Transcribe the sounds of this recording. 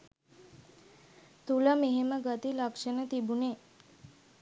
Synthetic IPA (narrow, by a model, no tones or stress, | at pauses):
t̪uləmeɦeməɡət̪ilakʂənət̪ibune